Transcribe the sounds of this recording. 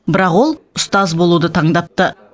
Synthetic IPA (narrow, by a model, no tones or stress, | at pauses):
bɪɾɑqwo̞lˠʊst̪ɑzbo̞lˠud̪ət̪ʰɑɴd̪ɑp̚t̪ə